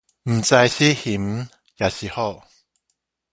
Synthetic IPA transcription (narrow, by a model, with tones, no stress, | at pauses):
m̩˨˩t͡sa˧jɕi˦˥hi˨˦m | ja˨˩ɕi˨˩hɔ˥˧˨